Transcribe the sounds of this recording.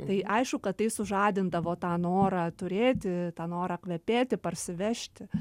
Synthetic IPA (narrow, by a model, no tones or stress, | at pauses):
t̪ɐɪʔɐɪʃkʊkɐt̪t̪ɐɪsʊʒɑːd̪ʲɪnd̪ɐʋoːt̪ɑːnoːɾɑt̪ʊɾʲeːt̪ʲɪt̪ɑːnoːɾɑkʋʲɛpʲeːt̪ʲɪpɐrʲsʲɪʋʲɛʃʲt̪ʲɪ